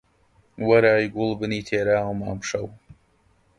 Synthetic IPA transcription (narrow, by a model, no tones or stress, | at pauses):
wɐɾaːjɡʊlˠbɨniːt̪ʰeːɾaːwɐmaːmʃɐw